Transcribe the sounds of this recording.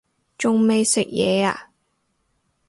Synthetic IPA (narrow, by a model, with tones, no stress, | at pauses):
t͡ʃʊ˨ŋme˨jsɪ˨k̚jɛ̰ː˨˧a̰ː˨˩